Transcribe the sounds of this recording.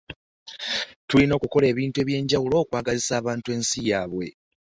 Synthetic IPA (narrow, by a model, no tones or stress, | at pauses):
tulino̞ːkuko̞le̞ːβiːntue̞ːβje̞ːɲɟawulo̞ːkwaːɡazisaːβaːntue̞ːnsijaːβwe̞̰